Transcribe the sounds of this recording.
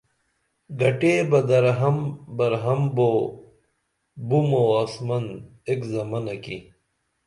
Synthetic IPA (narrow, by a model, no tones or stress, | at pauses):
ɡɐʈeːbɐd̪ɐɾɦɐmbɐɾɦɐmbo | bumoɐsmɐnd̪ekzɐmɐnɐki